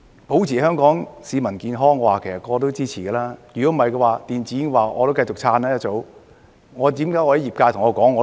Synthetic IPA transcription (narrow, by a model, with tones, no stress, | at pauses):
po˨˥wt͡sʰiː˨˩ɦœː˥ŋkɔː˨˥ŋsiː˨˧mɐ˨˩nkiː˧nɦɔː˥ŋːɔː˨˧waː˨kʰe˨˩sɐ˨t̚kɔː˧t̪̬o˥wt͡siː˥t͡sʰiː˨˩kɛː˧laː˥jyː˨˩kɔː˨˥m̩˨˩hɐ˨jkɔ˧waː˨˧t̪iː˨nt͡siː˨˥ɪ˥ŋ˧waː˨ʔɔː˧t̪o˥wkɐ˧jt͡ʃʊ˨k̚t͡sʰaː˧naː˥jɐ˥t͡so˨˥w | ŋɔː˨˧t̪̬iː˨˥mkaː˨˥jɔː˧hɐ˨˥jiː˨p̚kaː˧jt̪ʰŋɔː˨˧kɔː˨˥ŋːɔː˨˧